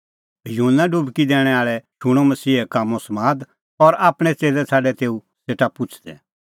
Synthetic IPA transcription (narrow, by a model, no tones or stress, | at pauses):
juɦunːaɖʊbkid̪ɛːɽ̃ɛaːɭɛʃʊɽ̃omɐsiːɦɛkaːmːõsmaːd̪ | ɔɾaːpɽ̃ɛt͡seːlɛsʰaːɖɛt̪eːu | seːʈapʊt͡ʃʰd̪ɛ̰